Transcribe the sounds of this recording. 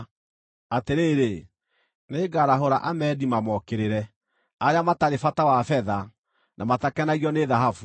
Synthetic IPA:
ateɾeːɾe | neːɡaɾaɦoɾaʔamɛːdimamɔkeɾeɾɛ | aɾjamataɾefatawafɛða | nʔamatakɛnaɣiɔneðaɦafu

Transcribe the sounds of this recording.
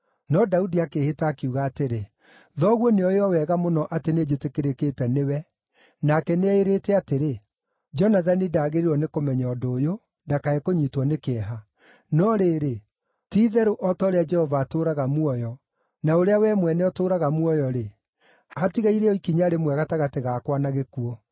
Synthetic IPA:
nɔdaudiakeːhetaːkeuɣaːteɾe | ðɔɣwɔneɔjɔwɛɣamonɔʔatened͡ʒetekeɾeketɛnewɛ | nakɛneɛeɾeːtɛateɾe | d͡ʒɔnaðanidaːɣeɾiɾɔnekomɛɲaɔdoːjo | ndakaɛkoɲiːtwɔnekeɛɦa | nɔɾeːɾe | tiːðɛɾoʔɔtɔɾead͡ʒɛhɔvaːtoːɾaɣamuɔjɔ | naoɾeawɛmwɛnɛɔtoːɾaɣamwɔjɔɾe | hatiɣaiɾɛɔikiɲaɾemwɛɣataɣateɣakwanaɣekuɔ

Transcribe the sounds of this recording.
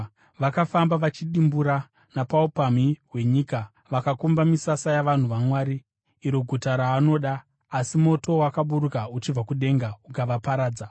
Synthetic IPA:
ʋakafambaʋat͡ʃiɗimbuɾa | napaupamiwe̞ɲika | ʋakakumbamisasajaʋan̤uʋamwaːɾiː | ɾo̞ɡʱutaɾaːno̞ːɗaː | simo̞to̞wakaɓuɾukaut͡ʃib͡vakuɗe̞ːŋɡaukaʋapaɾaːd͡za

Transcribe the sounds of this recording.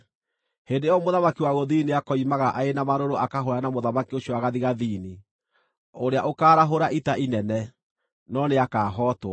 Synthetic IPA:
hendejɔmoðamakiwaɣoðiːniakɔimaɣaʔaenamaɾoɾoʔakaɦoɾanamoðamakioɕiɔaɣaðiɣaðiːni | oɾeaʔokaːɾaɦoɾaʔitaʔinɛnɛ | nɔneakaːɦɔːtwa

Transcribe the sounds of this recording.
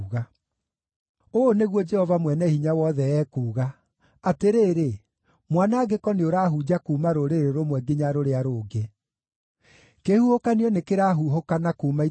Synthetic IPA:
ɣa | oːneɣwɔd͡ʒɛhɔvamwɛnɛhiɲawɔðɛɛːkuːɣa | ateɾeːɾe | mwanaːɡekɔneoɾaːɦud͡ʑakuːmaɾoɾeɾeɾomwɛɡeɲaɾoɾeaɾoːɡe | kehuhokaniɔnekeɾaːɦuɦokanakuːma

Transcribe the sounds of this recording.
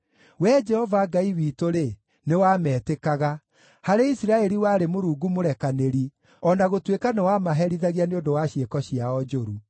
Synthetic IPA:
wɛːd͡ʒɛhɔvaɡaiwiːtoɾe | newaːmɛːtekaɣa | haɾeisiɾaɛɾiwaːɾemoɾuːɡumoɾɛkaneɾi | ɔnaɣotwekanewamaɦɛɾiðaɣjaneodowaɕjekɔɕiaɔd͡ʒoɾu

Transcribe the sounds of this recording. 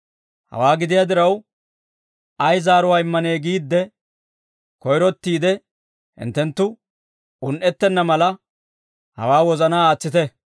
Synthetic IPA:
hɐ̰waːɡɪd̪ɪjaːd̪ɪɾɐw | ʔɐjzaːɾʊwaːɪmːɐne̞ːɡiːd̪ːɛ | kɔjɾɔt̪ːiːd̪ɛ | hɪ̰nt̪ːɛnt̪ːʊ | ʊnʔɛt̪ːɛnːɐmɐlɐ | hɐ̰waːwɔzɐnaːaːt͡sːɪt̪ɛ

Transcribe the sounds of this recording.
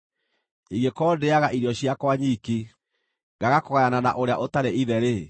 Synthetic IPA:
iɡekɔːdeaɣaʔiɾiɔɕiakwaɲiki | ŋɡaɣakoɣajanana̰ʔoɾeaʔotaɾeiðɛɾe

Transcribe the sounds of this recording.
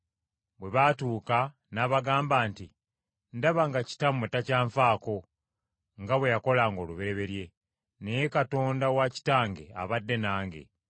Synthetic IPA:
bwe̞βatuːka | naːβaɡaːmbaːnti | ndaβaŋɡaci̥tametacaːɱfaːko̞ | ŋɡaβwe̞jako̞laːŋɡo̞ːluβe̞ɾe̞βe̞lje̞ | nejekato̞ːndawaci̥taːŋɡe̞̰a̰βadːe̞naːŋɡe̞̰

